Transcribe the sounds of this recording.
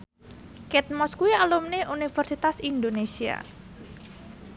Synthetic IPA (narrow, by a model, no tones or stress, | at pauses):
kɛt̪̚mɔskuialumneʔunifərsit̪asind̪onesia̰